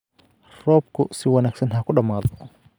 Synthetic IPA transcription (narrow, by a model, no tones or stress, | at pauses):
rɔp̚kusiwanaksinhakuɗamaðɔ